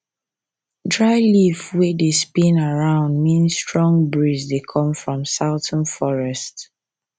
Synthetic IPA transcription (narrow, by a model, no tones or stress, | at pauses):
dɹaɪlivwɛdespĩnaɹãʊ̃ndmĩnstɹɔ̃ŋbɹizdekʰɔ̃mfɹɔ̃msaʊtʰə̃nfɔɹɛst